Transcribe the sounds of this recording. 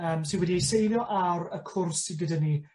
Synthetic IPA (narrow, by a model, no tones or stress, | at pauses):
əːmsɪnwɛdiejsejlˠjɔʔawɾəkʰʊrsːiɡədani